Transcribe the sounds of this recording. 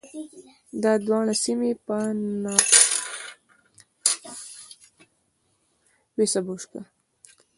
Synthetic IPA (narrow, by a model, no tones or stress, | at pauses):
d̪ɑd̪wɑɳasimepənɑ | wesabuʂka